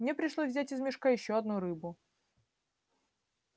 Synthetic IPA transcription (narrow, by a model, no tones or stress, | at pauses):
mnʲepɾʲɪʂlˠosʲzvʲzʲætʲɪzmʲɪʂkajɪɕːoɐd̪nuɾɨbʊ